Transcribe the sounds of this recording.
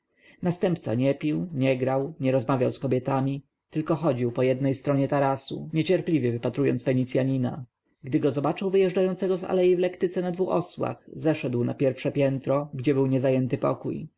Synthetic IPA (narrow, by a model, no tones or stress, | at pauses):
nast̪ɛmpt̪sa̰ɲɛpʲiwɲɛɡɾawɲɛɾɔzmavʲjawskɔbʲjɛt̪amʲi | t̪ɘlkɔxɔd͡ʑiwpɔjɛd̪nɛjst̪ɾɔɲɛt̪aɾasṵɲɛt͡ɕɛɾplʲivʲjɛvɘpat̪ɾujɔ̰nt̪sfɛɲit̪sʲjaɲina̰ | ɡd̪ɘɡɔzɔbat͡ʂɘwvɘjɛʐd͡ʐajɔnt̪sɛɡɔza̰lɛjivlɛkt̪ɘt̪sɛnad̪vuxɔswa̰xzɛʂɛd̪wna̰pʲjɛɾfʂɛpʲjɛnt̪ɾɔɡd͡ʑɛbɘwɲɛzajɛnt̪ɘpɔ̰kuj